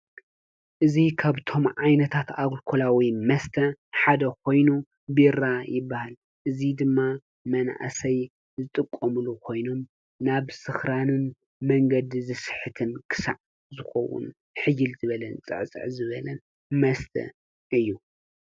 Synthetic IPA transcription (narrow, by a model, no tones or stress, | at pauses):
ʔɨzikʰaβt̪ʰo̞mʕajnɐt̪ʰat̪aɡlkʰolawimɐst̪ʰɐħad̪ɐkʰo̞jnu | biɾajɪbːahal | ʔɨzid̪ɨmːa | mɐn̰ʔa̰sɐj | zɨt̪ʼɨkʼːɐmɨlukʰo̞jno̞m | naβsɨxɾanɨn | mɐŋɡɐd̪zɨsɨħɨt̪ʰɨnkʰɨ̥sa̰ʕ | zɨxɐ̰wṵn | ħɨjɪlzɨβɐlɐnt͡sʼɨ̰ʕt͡sʼɨ̰ʕzɨβɐlɐn | mɐst̪ʰɐ̰ | ʔɨjːu